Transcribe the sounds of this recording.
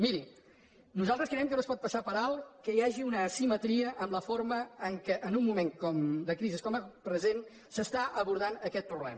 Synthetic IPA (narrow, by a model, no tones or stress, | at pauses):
miɾi | nuzalˠt̪ɾəskɾəɛmk̬ənospɔt̪̚pəsapəɾalˠkəjaʒiunəːsimət̪ɾiəʔəmləfoɾməːŋkəʔənumːumeŋkɔmd̪əkɾiziskɔməpɾəzen | səst̪aʔəβuɾð̞anəkɛt̪̚pɾuβlɛ̰mə